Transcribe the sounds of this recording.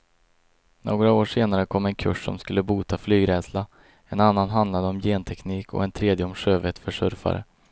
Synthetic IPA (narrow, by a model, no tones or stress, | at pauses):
noːɡɾaoːʂeːnaɾəkʰɔmːɛnkʰɵʂːɔ̰mskɵlːəbuːt̪ʰaflyːɡɾɛːd̪sla | ɛnanːanɦand̪lad̪əɔmjeːnt̪ʰɛkniːkʰɔ̰ɛnt̪ʰɾeːd̪jəɔmʂøːvɛt̪fœʂɵɾfa̰ɾə̰